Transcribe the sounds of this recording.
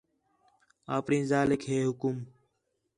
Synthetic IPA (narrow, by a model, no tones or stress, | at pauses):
a̰ːpɳĩːzaːlɪkɦeːɦʊkum